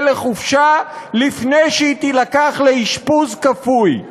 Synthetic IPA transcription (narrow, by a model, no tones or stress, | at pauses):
leχufʃalifnejʃeit̪ilakaχleiʃpuzkafuj